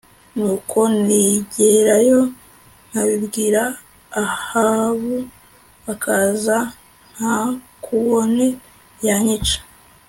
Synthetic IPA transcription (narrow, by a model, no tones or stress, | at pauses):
nuːkʰo̞niɟeɾajo̞ | n̥aβibɡiːɾaː | haβu | βakʰaza | n̥ha | kʰuβoni | jaɲit͡ʃḁ